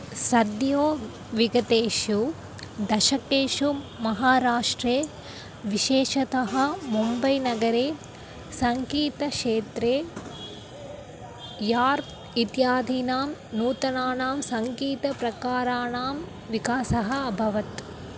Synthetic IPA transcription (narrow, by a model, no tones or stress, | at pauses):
sɐd̪joː | ʋiɡɐt̪eːʃu | d̪ɐʃɐkeːʃumɐɦaːɾaːʂʈɾeː | ʋiʃeːʃɐt̪ɐɦɐ̆mumbɐjnɐɡɐɾeː | sɐŋkiːt̪ɐʂeːt̪ɾeː | jaːɾ | it̪jaːd̪ʱiːnaːmnuːt̪ɐnaːnaːmsɐŋkiːt̪ɐpɾɐkaːɾaːɳaːm | ʋikaːsɐɦɐɐbʱɐʋɐt̪